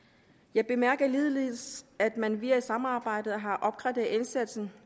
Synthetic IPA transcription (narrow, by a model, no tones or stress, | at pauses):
jɑ̈ɪb̥e̝mæɐɡ̥ɐliːð̞ˠlisæd̥mænʋiɐisɑ̈mɑ̈ːb̥ɑ̈ɪ̰d̥ð̩ˠɦɑ̈ʔɒ̽b̥̚ɡ̥ʁɑd̥eensæd̥sn̩